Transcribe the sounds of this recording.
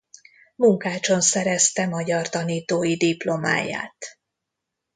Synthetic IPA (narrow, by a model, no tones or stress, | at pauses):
muŋkaːt͡ʃo̞nsɛɾɛst̪ɛmɒɟɒrt̪ɒniːt̪oːjid̪iplo̞ma̰ːja̰ːt̪